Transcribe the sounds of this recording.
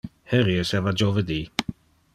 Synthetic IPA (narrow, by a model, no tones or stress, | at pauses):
hɛɾjəsɛvad͡ʒɔvədi